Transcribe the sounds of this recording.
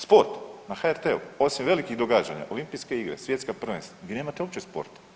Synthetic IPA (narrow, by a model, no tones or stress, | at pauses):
spo̞ɾt̪naxaeɾt̪eṵo̞simʋe̞likiɣd̪o̞ɡaːd͡ʒaɲa̰ʔo̞limpijske̞iɡɾḛsʋje̞t̪skapr̩ʋenst̪aɡd̪ʲeneːmat̪eo̞pt͡ɕespo̰ɾt̪